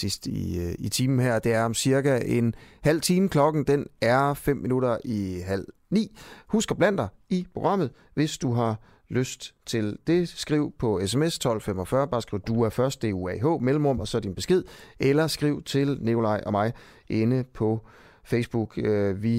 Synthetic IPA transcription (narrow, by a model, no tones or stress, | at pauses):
sisd̥iit͡sʰiːmn̩ɦæɐ̰d̥e̝æɐɒ̽msiɐɡ̥æʔe̝nhæl̰t͡sʰiːməkʰlɒ̽ɡ̥n̩d̥enæɐfem̰ːinuɾɐiɦæl̰nḭːhusɡ̥ɐb̥læn̰d̥ɑ̈ɪipʰo̝ɡ̥ʁɑ̈m̰ð̩ˠ | ʋe̝sd̥uɦɑ̈ | løsd̥t͡sʰe̝ld̥e̝sɡ̥ʁiʊ̰pʰɒ̽es̬emest͡sʰɒ̽l̰femɒ̽fɶɐb̥ɑ̈ːsɡ̥iʊd̥uæɐfɶɐsd̥e̝̰ːuɛɦɔ̰̽ːmelm̩ʁɔ̽m̰ɒ̽sɒ̽d̥inb̥e̝sɡ̥e̝ð̞̰ˠelɐsɡ̥ʁiʊ̰t͡sʰe̝lnekʰo̝lɑ̈ɪ̰ʔɒ̽mɑ̈ɪ | ʔe̝nəpʰɒ̽ | feɪsb̥uɡ̥øʋi